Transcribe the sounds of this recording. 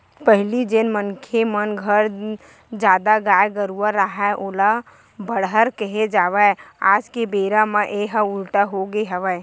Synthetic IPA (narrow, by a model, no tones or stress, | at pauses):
pəɦlid͡ʒenmənkʰemənɡʱəɾ | d͡ʒaːd̪aɡaːjɡəɾuwəɾːaɦaʔoːla | bəɽɦəɾkəɦed͡ʒaːʋɛaːd͡ʒkebeːɾãmãʔeɦəʊlʈaɦoɡeɦəʋə